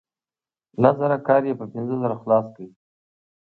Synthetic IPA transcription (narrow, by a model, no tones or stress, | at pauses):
lazaɾakɑɾjepəpɪnzəzaɾaxlɑskawi